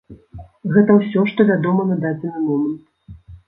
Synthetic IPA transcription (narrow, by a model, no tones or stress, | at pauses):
ɣɛt̪ɐwsʲɔʂt̪ɔvʲad̪ɔmɐnad̪ad͡zʲɛnɨmɔmɐnt̪